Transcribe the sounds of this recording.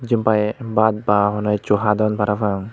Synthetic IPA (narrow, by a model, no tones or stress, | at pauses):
d͡ʒimpajbad̪̚baɦɔnɔjt͡ʃuɦad̪ɔnpaɾafaŋ